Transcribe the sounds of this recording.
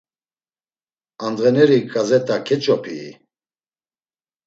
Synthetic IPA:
and̪ʁɛnɛɾikʼazɛt̪ʼakʰɛt͡ʃʼɔpʰḭ

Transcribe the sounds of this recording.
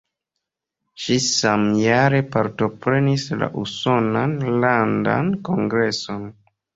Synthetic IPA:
ʃisamjaɾe̞paɾto̞pɾe̞nisla̰ʔuso̞nanlanda̰nko̞ŋɡɾe̞so̞n

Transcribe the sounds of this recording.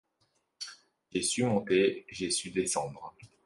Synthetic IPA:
ʒesymɔ̃t̪eʒesyd̪esɑ̃d̪ʁ

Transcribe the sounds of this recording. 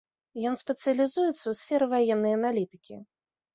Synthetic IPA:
jɔnspʲɛt̪sɨjɐlʲizujɛt̪sːɐwsʲfʲɛɾɨvajɛnːɐjɐnalʲit̪ɨ̥kʲḭ

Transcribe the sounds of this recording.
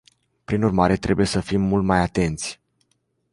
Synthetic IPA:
pɾinurmaɾe̞t̪ɾʔe̞buje̞səfimːult̪majat̪e̞nt̪sʲ

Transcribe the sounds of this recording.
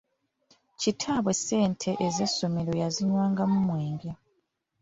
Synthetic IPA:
citʰaβwe̞se̞ːntʰe̞ʔezesːo̞me̞ɾo̞jaziɲwaːŋɡamumwe̞ːŋɡa

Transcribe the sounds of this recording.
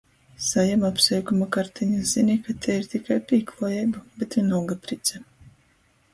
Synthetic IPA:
sajamapsɛjkumakaɾt̪ʰiɲazinikat̪ʲʰɛiɾt̪ikajpʲiːklˠɔjɛjbubet̪inulˠɡapɾit̪sʲɛ

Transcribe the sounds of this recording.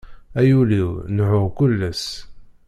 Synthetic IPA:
æjuliwnʕʊkʊlːæs

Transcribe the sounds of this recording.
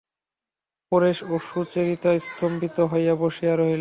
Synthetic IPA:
poɾeʃoʃut͡ɕeɾit̪ajst̪ʰompit̪oɦɔjjaboʃiaɾoɦil

